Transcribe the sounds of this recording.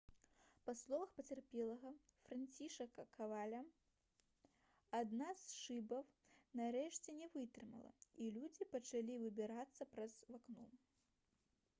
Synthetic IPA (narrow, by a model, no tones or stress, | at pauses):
paslˠɔvɐxpɐt͡sʲɛrpʲɛlˠɐɣɐfɾant͡sʲiʂɐkɐkʰavalʲɐ | ad̪nasʂɨbɐw | naɾɛʂt͡sʲɛnʲɛvɨt̪ɾɨmɐ̰lˠɐ̰ilʲud͡zʲipɐt͡ʂalʲivɨbʲɪɾat̪sːɐpɾɐzvaknu